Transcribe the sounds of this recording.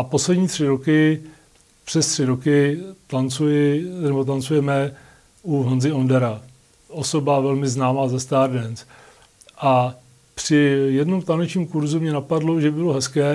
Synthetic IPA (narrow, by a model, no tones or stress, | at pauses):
apo̞slɛdɲiːt̪r̝̥ɪɾo̞kɪ | pr̥ɛst̪r̥ɪɾokɪt̪ant͡sujɪnɛbo̞t̪̬ant͡sujɛmɛ | uɦanzɪo̞ndɛɾa | o̞so̞bavɛlmɪznaːmaːzast̪aːɾdɛns | ʔa | pr̝̥ɪjɛdno̞mt̪anɛt͡ʃɲiːmkuɾzumɲɛnapadloʒɛbɪloɦɛskɛː